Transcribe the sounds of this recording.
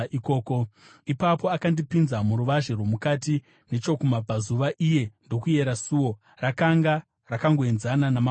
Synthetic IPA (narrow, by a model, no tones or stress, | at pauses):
iko̞ːko̞ | ipapo̞akandipinzamuɾuʋaʒe̞rwo̞mukati | ne̞t͡ʃo̞kumab͡vazuʋaʔije̞ndo̞kuje̞ɾasuːwo̞ | rakaŋɡa | rakaŋɡoenzananam